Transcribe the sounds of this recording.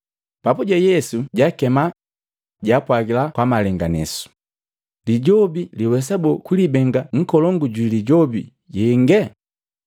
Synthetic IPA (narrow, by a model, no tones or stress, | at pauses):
papuɟɛjɛsuɟakɛma | ɟaːpwaɡilakwamalɛŋɡanɛ̰su̥ | liɟɔbiliwɛs̬abɔkulibɛŋɡaŋ̩kɔlɔŋɡuɟiliɟɔbḭ | ɟɛŋɡɛ